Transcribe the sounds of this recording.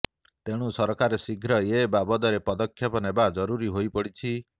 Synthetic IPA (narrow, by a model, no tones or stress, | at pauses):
t̪eɽ̃usɔɾɔkaɾesiɡʱɾɔjebabɔd̪ɔɾepɔd̪ɔkʰːjɔpɔnebad͡ʒɔɾuɾiɦojpɔɽit͡ʃʰi